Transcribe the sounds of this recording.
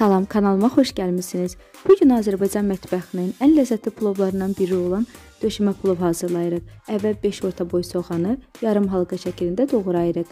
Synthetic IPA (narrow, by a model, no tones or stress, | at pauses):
sɑlˠɑmkʰɑnɑlˠɯmɑχo̞ʃɟælmisiniz̥ | b̥uɟynɑːzæɾbɑjd͡ʒɑnmæt̪ʰbɑxɯnɯnænlæzːæt̪ʰlipʰlˠo̞blˠɑɾɯnd̪ɑnbiɾio̞lˠɑn | d̪̥ø̞ʃymæpʰlˠovɦɑːzɯɾlˠɑjɯɾɯχævːælbe̞ʃo̞ɾt̪ʰɑbo̞jso̞ʁɑnɯjɑɾɯmɦɑlˠɡɑʃæcʰilind̪æd̪o̞ɣɯɾɑjɯɾɯq